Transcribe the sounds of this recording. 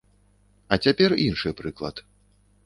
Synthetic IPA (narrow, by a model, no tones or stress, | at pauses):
ɐt͡sʲapʲɛrinʂɨjpɾɨklˠɐ̰t̪